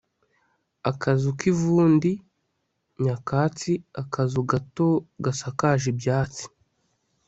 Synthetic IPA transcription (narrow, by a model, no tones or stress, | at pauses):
akazukivuːndi | ɲakaːt͡siakazuɡatoɡasakaʒibjaːt͡si̥